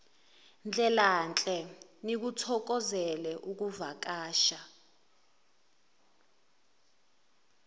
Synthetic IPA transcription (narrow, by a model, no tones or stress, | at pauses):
nd͡ɮʱɛlant͡ɬʼɛnik̬utʰɔk̬ɔzɛlɛʔuk̬uvak̬aːʃa